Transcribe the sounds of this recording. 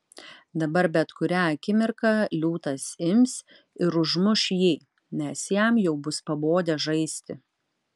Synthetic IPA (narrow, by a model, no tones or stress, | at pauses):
d̪ɐbɐɾbʲɛt̪kʊɾʲæːɐkʲɪmʲɪɾkɑlʲuːt̪ɐsɪmʲs | ɪɾʊʒmʊʃjiː | nʲɛsjæmjɛʊbʊspɐboːd̪ʲɛʒɐɪsʲt̪ʲɪ